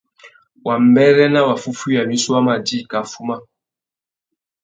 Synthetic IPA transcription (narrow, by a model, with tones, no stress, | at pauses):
wa˨m̩˨bɛ˦ɾɛ˦na˦wa˨fu˦fu˦ja˨mi˦su˦a˦ma˨di˦˨ka˨fu˦ma˦